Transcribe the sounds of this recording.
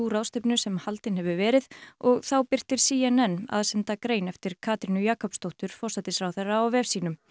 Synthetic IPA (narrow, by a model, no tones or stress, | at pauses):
uɾawst̪ɪpnʏsɛmhalt̪ɪnhɛvʏvɛːɾɪðɔɣθawpɪr̥t̪ɪɾ̥siːɛnɛnːa̰ðsɛnt̪akɾeːjnɛft̪ɪɾ̥kʰaːt̪ɾinʏjaːkʰɔpst̪owht̪ʏɾ̥fɔrsat̪ɪsfɾawθerːaːwvɛɾsiːnʏm